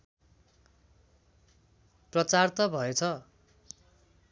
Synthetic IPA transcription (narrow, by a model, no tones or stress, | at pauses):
prʌt͡sart̪ʌbʱʌet͡sʰʌ